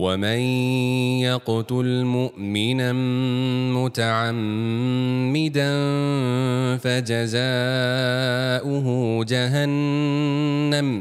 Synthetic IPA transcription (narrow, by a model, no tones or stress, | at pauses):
wamanjɑqt̪ʊlmʊʔmɪna | mʊt̪aʕamː | ɪd̪ann | fad͡ʒazaː | ʔʊɦʊd͡ʒaɦanː | am